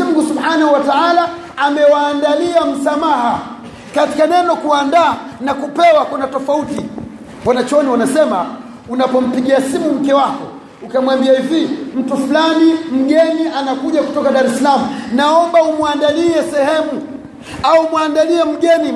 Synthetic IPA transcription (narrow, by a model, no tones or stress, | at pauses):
m̩ɡusubhanahuwataalaː | mɛwaːndaliam̩samaɦa | kati̥kanɛnɔkuandaːnakupɛwakunatɔfauti | ɓwanat͡ʃɔniwanasɛma | unapɔm̩piɠiasimum̩kɛwakɔ | ukamwambiahivim̩tufulanim̩ɠɛniʔanakuʄaku̥tɔkaɗaɾɛsalamunaɔmbaumwandaliɛsɛhɛmu | aumwandaliɛm̩ɠɛni